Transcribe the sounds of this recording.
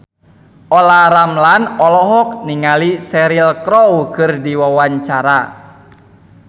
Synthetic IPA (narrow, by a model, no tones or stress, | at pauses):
ʔɔlaɾamlanɔlɔɦɔk̚niŋalisɛɾilkɾɔwkɨrdiwawaɲt͡ʃaɾa